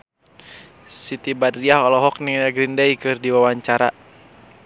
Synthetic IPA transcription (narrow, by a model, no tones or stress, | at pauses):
sit̪ibadiaɦɔlɔɦɔk̚niaɡɾindajkɨrdiwawaɲt͡ʃaɾa